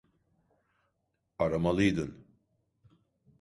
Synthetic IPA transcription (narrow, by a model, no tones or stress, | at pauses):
aɾamalˠɯjd̪ɯn